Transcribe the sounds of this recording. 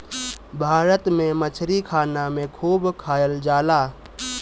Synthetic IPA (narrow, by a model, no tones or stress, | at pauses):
bʱaːɾət̪mẽmət͡ʃʰɾikʰaːnamẽkʰuːbkʰaːjəld͡ʒaːla